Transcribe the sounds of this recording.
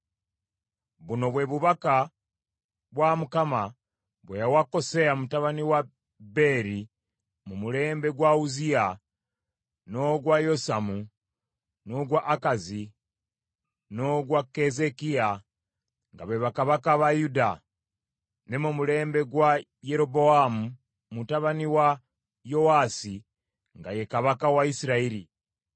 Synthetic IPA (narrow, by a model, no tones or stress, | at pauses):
βuno̞βwe̞ːβuβaka | βwamukama | βwejawako̞seamumutaβaniwa | be̞ɾi | mumuɾe̞ːmbe̞ɡwauzia | noɡwajo̞samu | noɡwaʔːkazi | no̞ɡwakezekia | ŋɡaβeβakaβakaβajuda | nemumule̞ːmbe̞ɡwa | je̞ɾo̞bo̞amu | mutaβaniwa | jo̞aːsi | ŋɡaje̞kaβakawaisiɾaiɾi